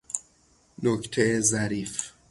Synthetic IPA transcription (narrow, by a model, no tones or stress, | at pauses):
nokt̪ʰeezæɾiːf